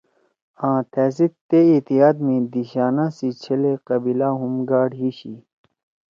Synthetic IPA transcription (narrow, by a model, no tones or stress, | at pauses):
ãːt̪ʰɛːs̬it̪ːeit̪iaːd̪mẽd̪iɕaːnãsit͡ɕʰɐleqɐbilaɦumɡaːɖɦiːɕi